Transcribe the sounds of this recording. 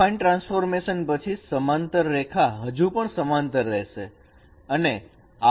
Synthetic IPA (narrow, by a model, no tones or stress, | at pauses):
ainʈɾãnsfoɾmeʃənpət͡ʃʰisəmant̪əɾːekʰaɦəd͡ʒupəɳsəmant̪əɾːɛɦʃe | əne | a